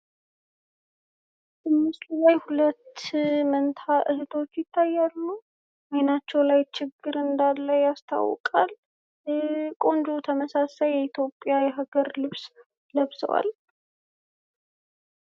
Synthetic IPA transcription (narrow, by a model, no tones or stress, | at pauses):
ɨmːɨst̪ulajhulət̪ːmənt̪ʰaʔɨhɨt̪ʰo̞t͡ʃːjɪt̪ʰːajːalːu | ajnat͡ʃːɛwlajt͡ʃɪɡːɨɾɨnd̪alːajast̪ʰa̰wːɔ̰kʼa̰l | kʼo̞nd͡ʒot̪ʰəməsasajːɛit̪ʰjo̞pʼːjajɛɦaɡəɾlɨβs | ləβsə̰wa̰l